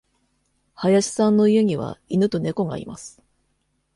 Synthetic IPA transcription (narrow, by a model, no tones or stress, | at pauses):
hajaɕi̥sãnːo̞ijɯ̟ɲ̟iβa̰inɯ̟t̪o̞ne̞ko̞ɡa̰ḭma̰sɨ̥